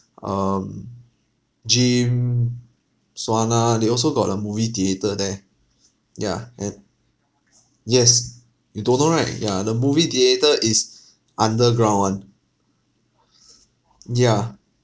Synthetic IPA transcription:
ʔʌm | d͡ʒĩm | swanadeɔls̬oɡɔt̚əmuvidietədɛ | ja̰ɛ̃n | jɛs | judõnːoɹaɪt̚ja̰dəmuvidietəʔis | ʔãndəɡɹãwn | ja

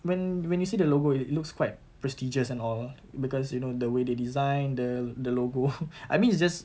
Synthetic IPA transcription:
wɛ̃nwɛ̃njusidəloɡoilukskʰwaɪt̚ | pɹɛstid͡ʒəsɛ̃nɔl | bikɔsjunodəwededizãɪ̃ndədəloɡoʔa̰t̚mĩnisd͡ʒas

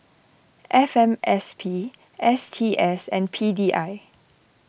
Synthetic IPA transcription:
ʔɛfɛ̃mʔɛspʰi | ʔɛstʰiʔɛsɛ̰̃npʰidiːʔaɪ

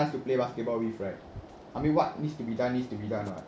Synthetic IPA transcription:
ãnstuplebasket̚bɔlwifɹɛ̃nd | ʔamĩnwɔt̚nitstubidãnːitstubidãnwa̰t

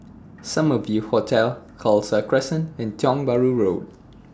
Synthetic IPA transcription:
sãmɔfjuhotʰɛlkʰɔlsəkʰɹɛsə̃nɛ̃ntʰjɔ̃ŋbaɹuɹod̚

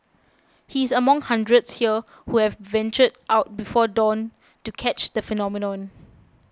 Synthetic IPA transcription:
hiɪsəmãŋhãndɹətshiə | huhɛvvɛ̃nt͡ʃədʔaʊt̚bifɔdɔ̃n | tukʰɛt͡ʃdəfɛnɔminɔ̃n

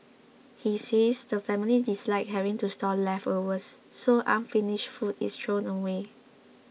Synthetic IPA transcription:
hisesdəfɛ̃milidislaɪk̚ɦɛɹĩntustɔlɛfowəsːoʔãnfiniʃfutḭstɹõnəwe

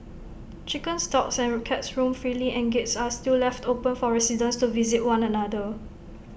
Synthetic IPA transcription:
t͡ʃikə̃nstɔksɛ̃nɹkʰɛtsɹũmfɹiliʔɛ̃nɡetsastillɛftopə̃nfɔɹɛsidə̃nstuvizit̚wãnɛ̃nadə

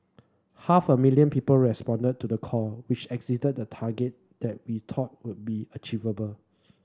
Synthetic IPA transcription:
hafəmiljə̃npiːpəlɹɛspɔ̃ndəd̚tːudəkʰɔwɪt͡ʃɛkzitəd̚dətʰaɡɛt̚ | d̥ɛt̚wit̪ʰɔt̚wud̚biət͡ʃivəbəl

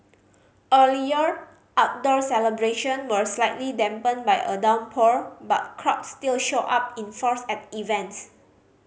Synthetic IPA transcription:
ʔəliə | ʔak̚dɔɹsɛləbɹeʃə̃nwəslaɪtlidɛ̃mpə̃nbajʔədãw̃npʰɔɹba̰t̚kʰɹɔp̚stilʃoʔap̚ĩnfɔɹsɛt̚ivɛ̃nts

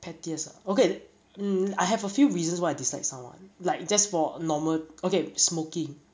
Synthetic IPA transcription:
pʰɛtiəsa̰oke | ajɦɛvəfjuɹizə̃nswajaɪdislaɪk̚sãmwã̰nlaɪk̚d͡ʒɛsfɔnɔməlokesmokɪ̃ŋ

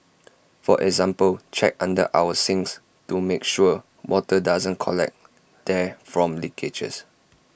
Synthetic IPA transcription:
fɔʔɛɡzãmpəlt͡ʃɛ̰k̚ãndə̰ʔa̰wəsɪ̃ŋs | tumekʃu | wɔtədazə̃nkʰɔlɛ̰k̚ | d̥ɛfɹɔ̃mlikʰed͡ʒə̰s

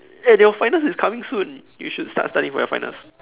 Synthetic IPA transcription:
ɛjɔfãɪnəsɪskʰamɪ̃ŋsũnjṵʃudsta̰tstãndɪ̰̃ŋfɔ̰jɔ̰fã̰ɪ̃nə̰s

